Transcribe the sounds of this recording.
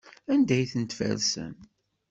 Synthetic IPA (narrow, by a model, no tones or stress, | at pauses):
ænd̪æjθənt̪fæ̰lsə̰n